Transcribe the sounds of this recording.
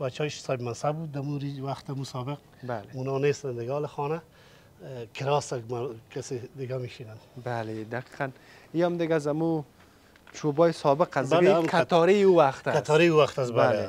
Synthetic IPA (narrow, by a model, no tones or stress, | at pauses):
bat͡ʃɔɪʃsabmansabud̪̚ːamuɾiwaxt̪amusɔːbɪq̚ | baleunɑnest̪and̪ɪɡːlɪxɔna | kʰɪɾɑsakmakased̪ɪɡamiʃinanbaled̪aqi̥qan | iamd̪ɪɡazamu | t͡ʃʰobɔːjɪsɔbɪqasdbɪalɡekʰat̪ɔɾiuwaxt̪aat̪ːɾiuwaxt̪asbale